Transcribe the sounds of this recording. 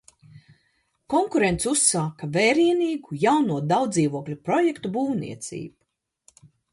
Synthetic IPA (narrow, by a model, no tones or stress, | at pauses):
kɔŋkuɾent̪susːaːkavɛːɾiɛniːɡujawnuɔd̪awd̪ziːvuɔklʲupɾɔjekt̪ubuːwnḭɛt̪sʲḭːbu